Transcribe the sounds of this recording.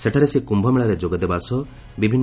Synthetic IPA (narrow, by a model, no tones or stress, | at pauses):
seʈʰaɾesekumbʱɔmeɭɔɾed͡ʒoɡɔd̪ebasɔ | bibʱinː